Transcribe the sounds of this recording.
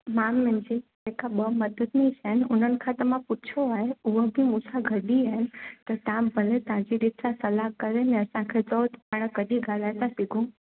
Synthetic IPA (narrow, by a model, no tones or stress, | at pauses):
mamːɪ̃nd͡ʑid͡ʒekaɓəməd̪əd̪nĩt͡ʃʰənɪʊnənɪ̆kʰãt̪əmãput͡ʃʰoaɦeuɦəbʱimusaɡʱəɗiɦenɪ̆t̪ət̪ãbʱəlet̪ãd͡ʑiɾɪt̪ʰsãsəlakəɾenẽəsãkʰet͡sɔːd̪paɽ̃kəɗiɡʱalajt̪ãsiɡʱũ